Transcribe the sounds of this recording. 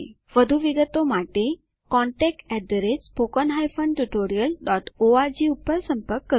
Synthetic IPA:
ʋəd̪ʱuʋiɡət̪omaʈe | kɔɳʈɛk̚ʈɛdɾed͡zpokənɦajfəɳɖʈuʈoɾijəlɖɔʈoad͡ʑiupəɾsəmpəɾkːə

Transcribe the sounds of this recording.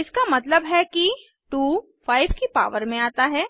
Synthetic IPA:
ɪskamɐt̪ləbɦɛki | ʈuː | faːɪbkipa̰ːʋəɾmẽaːt̪aɦɛː

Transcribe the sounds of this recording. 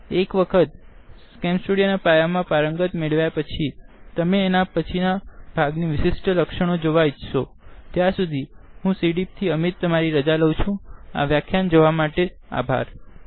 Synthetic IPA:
ekʋəkʰət̪ | skɛmsʈuɽijanapajamãpaɾəŋɡət̪meɭʋjapət͡ʃʰit̪əmeːnapət͡ʃʰinab̥ʱaɡniʋɪʃɪsʈələkʃəɽ̃od͡ʒoʋaid͡ʒʃo | t̪jãsud̪ʱiɦũsiɽip̚t̪ʰiəmit̪ːəmaɾiɾəd͡ʒaləũt͡ʃʰũa̰ʋjakʰjand͡ʒoʋamaʈe | a̰bʱa̰ɾ

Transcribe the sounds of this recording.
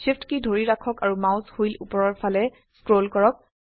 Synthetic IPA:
sifʰtkidʱoɹiɹakʰɔkaɹumawzhojlṵpɔɹɔɹpʰalɛ | skɹolkɔɹɔk̚

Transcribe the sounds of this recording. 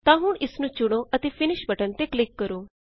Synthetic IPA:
t̪ãːɦʊɳʔɪsnũːt͡ʃʊɽ̃oːʔət̪eːpʰɪnɪʃbəʈənt̪eːklɪkːəɾoː

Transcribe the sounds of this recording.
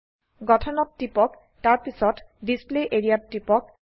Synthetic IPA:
ɡɔtʰɔnɔtːipɔk | taɹpisɔtdispleʔeɹiatʈipɔk

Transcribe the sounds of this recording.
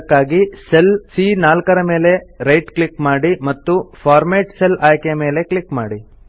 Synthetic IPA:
kːaːɡiselsiːnaːlkɐɾɐme̞ːle̞ɾɐjʈklikmaːɽimɐt̪ːupʰaːɾmeːʈselaːjkɛjɐme̞ːle̞klikmaːɽi

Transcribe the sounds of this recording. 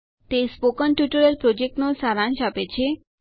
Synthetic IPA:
t̪espokənʈjuʈəɾəlpɾod͡ʒek̚ʈnosaɾãnʃapet͡ʃʰe

